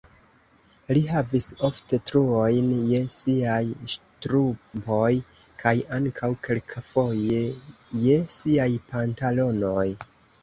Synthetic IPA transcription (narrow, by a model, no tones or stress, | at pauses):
liɦaviso̞fte̞tɾuojnje̞siajʃtɾumbo̞j | kʰajaŋkʰawkʰe̞lkʰafo̞jeje̞siajpantalo̞no̞j